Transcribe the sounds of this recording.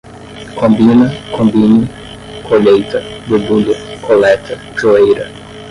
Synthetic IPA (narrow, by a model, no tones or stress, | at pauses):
kʰõmbĩnɐkʰõmbini | kʰoʎejt̪ɐbubuʎɐkʰolɛt̪ʰɐ | ʒoejɾɐ